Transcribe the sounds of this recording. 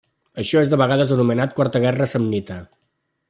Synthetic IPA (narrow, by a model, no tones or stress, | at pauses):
əʃɔezðəβəɣaðəzənumənat̪̚kwaɾt̪əɣ̞ɛrəsəmnit̪ə